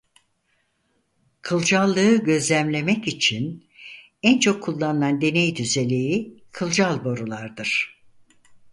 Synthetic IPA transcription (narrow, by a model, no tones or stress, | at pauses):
kʰɯlˠd͡ʒalˠːɯɯɟø̞zlʲæmlʲe̞mɛcit͡ʃʰin | ænt͡ʃʰo̞kʰːulˠːanɯnand̪e̞nejd̪yze̞lʲejikʰɯlˠd͡ʒalˠbo̞ɾulˠaɾd̪ɯɾ̥